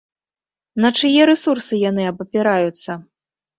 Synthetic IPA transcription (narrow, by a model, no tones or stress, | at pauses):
nɐt͡ʂɨjɛɾɛsursɨjan̪ɨɐbɐpʲiɾajut̪sːɐ